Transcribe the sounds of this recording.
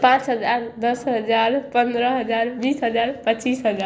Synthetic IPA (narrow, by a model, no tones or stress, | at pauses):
pãt͡ʃɦəd͡ʒaɾd̪əsɦəd͡ʒaɾpə̃nd̪ɾəɦəd͡ʒaɾbiːsɦəd͡ʒaɾpət͡ʃiːsɦəd͡ʒa